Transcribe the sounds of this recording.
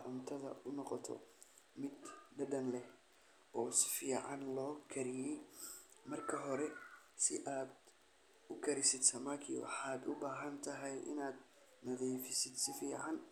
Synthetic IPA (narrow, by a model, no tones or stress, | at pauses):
ʕʊnt̪ʰɐðɐ̰ʊnɔqɔt̪ʰɔ̰ | mɪd̪dɐd̪ɐnlɛh | ɔːsɪ̥fiːʕɑnlɔːkʰɐɾɪjɛj | mɐrkʰɐɦɔɾɛsɪʔaːd̪ | ʊkʰɐɾɪsɪd̪sɐmakʰɪ̰wɑ̰ħɑːd̪ʊbaːɦɐnt̪ʰɐɦɛjʔɪ̰naːd̪̚ | nɐðɛjfɪsɪd̪sɪfiːʕɑn